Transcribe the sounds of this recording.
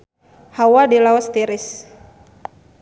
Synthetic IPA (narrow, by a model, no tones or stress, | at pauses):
hawadilaɔst̪iɾɪs